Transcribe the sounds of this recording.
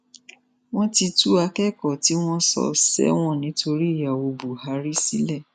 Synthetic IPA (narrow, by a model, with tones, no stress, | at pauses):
w̃ɔ̃˦ti˧tu˦a˧kɛ˦˨kɔ˨ti˨˦w̃ɔ̃˦sɔ̰˧˨sɛ̰˦w̃ɔ̃˦˨nĩ˨˦to˧ɾi˦i˦˨ja˨wo˧bu˨ha˨˦ɾi˦si˨˦lɛ˦˨